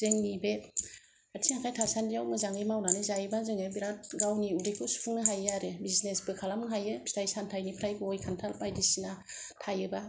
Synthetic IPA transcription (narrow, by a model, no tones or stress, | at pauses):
zeŋnibe | atʰiŋakʰajtʰasandijawmɯzaŋɯjmawnanɯzajɯbazɯŋebiɾat̚ɡawniudikʰusu̥pʰuŋnaɦajaɾebiznesbɯkʰalamnɦajɯbi̥stʰajsantʰajnipʰɾajbɯɔjkʰantʰalpajdisina | tʰajɯba